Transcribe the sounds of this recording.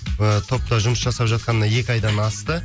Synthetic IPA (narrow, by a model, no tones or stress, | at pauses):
ət̪ʰo̞p̚t̪ɑʒʊməsʒɑsɑpʒɑt̪̚qɑnəɑje̞kʲɪɑjd̪ɑnɑst̪ə